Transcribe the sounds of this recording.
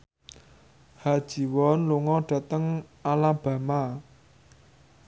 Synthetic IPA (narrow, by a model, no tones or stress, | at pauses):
had̥ʒ̥i̤wɔnluŋɔɖ̥ä̤t̪əŋ | alab̥a̤ma